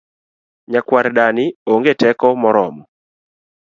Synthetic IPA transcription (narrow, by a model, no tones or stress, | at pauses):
ɲakwaɾɗanioŋɡetɛkɔmɔɾɔmɔ